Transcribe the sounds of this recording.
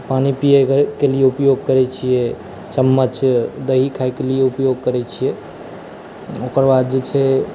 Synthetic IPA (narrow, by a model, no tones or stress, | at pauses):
panipijekelijeupjoɡ̚kəɾɛt͡ʃʰijɛ | t͡ʃəmːət͡ʃd̪əɦikʰajkelijeupjoɡ̚kəɾɛt͡ʃʰijɛ | okəɾbad̪̚d͡ʒet͡ʃʰɛ